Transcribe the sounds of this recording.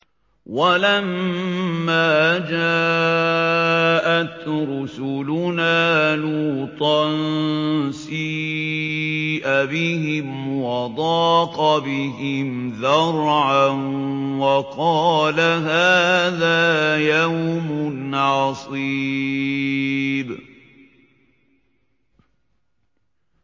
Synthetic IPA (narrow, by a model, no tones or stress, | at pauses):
walamː | aːd͡ʒaː | ʔat̪ɾʊsʊlʊnaːluːt̪ˤɑn | siː | ʔabɪhɪmwɑd̪ˤɑːqɑbɪɦɪmðɑɾˤʕanwɑqɑːlaɦaːðaːjawmʊnʕɑsˤiː | b